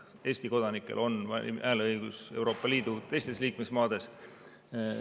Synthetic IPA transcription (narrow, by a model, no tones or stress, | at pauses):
e̞ːsʲt̪iko̞d̪̥ɑnikːˑe̞̰lʔo̞nvɑ̰ʔæːlɤjɡ̥use̞wɾo̞ːpːˑɑliːd̪̥ut̪e̞jst̪e̞sliːkme̞smɑːd̪e̞s